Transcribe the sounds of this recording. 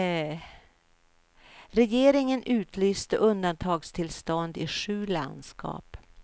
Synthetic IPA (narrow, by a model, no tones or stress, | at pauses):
ɾɛjeːɾɪŋənʔʉ̟ːt̪ʰlyːst̪əʔɵnd̪ant̪ʰɑːɡst̪ʰɪlst̪ɔnd̪ɪʂʉ̟ːla̰nd̪skʰɑ̰ːp